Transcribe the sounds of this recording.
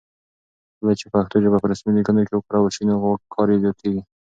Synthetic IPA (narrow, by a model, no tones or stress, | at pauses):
lat͡ʃepaxt̪od͡ʒabapəɾasmilikand̪aɾkewʊkuɾawaʃinaɣokʰːɑɾezjɑt̪ʰeɡi